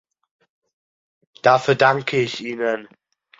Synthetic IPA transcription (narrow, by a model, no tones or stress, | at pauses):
d̥aːfyːɐdaŋkʰəɪçʔiːnən